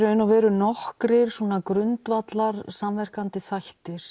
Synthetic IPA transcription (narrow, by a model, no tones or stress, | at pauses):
ɾʏɪnavɛːɾʏnɔhkɾɪɾ̥sɔːnakɾʏnt̪vat̪laɾsamvɛr̥kant̪ɪθajht̪ɪɾ̥